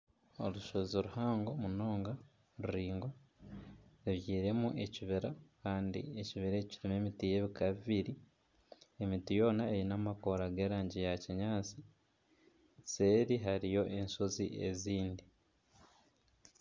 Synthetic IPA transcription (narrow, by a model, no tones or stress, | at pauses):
o̰luʃozoɾuhaːŋɡo̞muno̞ːŋɡa | ɾuɾiːŋɡo | ɾiβjiːɾe̞muʔe̞ciβiɾakaːndḭe̞ciβiɾeciɾime̞mitije̞βikaβiβiɾi | e̞mitijo̞ːnaejinamako̞ɾaɡe̞ːɾaːɲɟijaciɲaːt͡si | se̞ːɾiɦaɾijo̞ʔe̞nsoziʔe̞ziːndi